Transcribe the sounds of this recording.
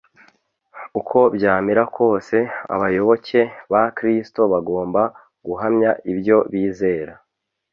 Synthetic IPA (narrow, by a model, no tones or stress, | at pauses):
ukʰo̞bjaːmiɾakʰo̞ːse̞a̰βajo̞βo̞ce̞βakɾisto̞βaɡo̞ːmba | ɡ̥uɦamɲaibjo̞βiːze̞ːɾa